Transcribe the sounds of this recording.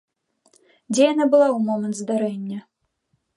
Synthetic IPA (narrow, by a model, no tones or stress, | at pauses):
d͡zʲɛjanabɨlˠaumɔmɐnt̪zd̪aɾɛnʲːɐ